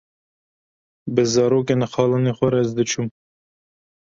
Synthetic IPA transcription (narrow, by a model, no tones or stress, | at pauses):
bɨzɑːɾoːkenxɑːlɑnexʷɛɾɛzd̪ɨt͡ʃʰum